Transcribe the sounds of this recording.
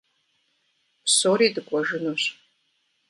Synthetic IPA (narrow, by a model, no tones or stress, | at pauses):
pʰsoɾidɨkʷʼɔʒɨnuɕ